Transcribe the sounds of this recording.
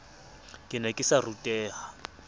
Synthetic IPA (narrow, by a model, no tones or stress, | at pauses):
kʼɪnɛkʼɪsarutʼɛːɦa